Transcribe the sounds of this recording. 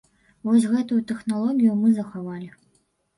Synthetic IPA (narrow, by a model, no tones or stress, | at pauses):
vɔs̬ʲɣɛt̪ujut̪ɛxnalˠɔɣʲijumɨzɐxavalʲi